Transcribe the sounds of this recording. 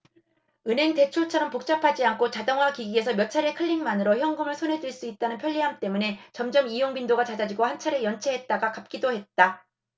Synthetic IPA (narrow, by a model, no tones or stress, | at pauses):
ɯnɦe̞ŋte̞t͡ɕʰot͡ɕʰʌɾʌmpok̚t͡ɕ͈apʰad͡ʑiankʰot͡ɕadʌŋwakiɡie̞s̬ʰʌmjʌt͡ɕʰaɾe̞kʰɯʎːiŋmanɯɾoçjʌŋɡɯmɯɭsʰonɦe̞duiɭs͈uit̚t͈anɯnpʰjʌʎːiɦamt͈e̞mune̞t͡ɕʌmd͡ʑʌmijoŋbindoɡat͡ɕad͡ʑad͡ʑiɡohant͡ɕʰaɾe̞jʌnt͡ɕʰeɦe̞t̚t͈aɡakap̚k͈idohe̞t̚t͈a